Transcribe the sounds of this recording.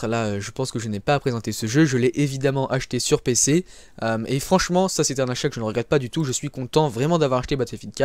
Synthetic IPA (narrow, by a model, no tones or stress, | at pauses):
laøʒəpɑ̃skəʒənɛpaːpχezɑ̃t̪esəʒøʒəlɛʔevid̪amɑ̃ʔaʃt̪esyʁpese | ømefχɑ̃ʃmɑ̃sasɛt̪ɛ̃naʃakəʒənəʁəɡʁɛt̪̚pad̪yt̪uʒəsɥikɔ̃t̪ɑ̃vʁɛmɑ̃d̪avwaʁaʃt̪ebat̪fefid̪ka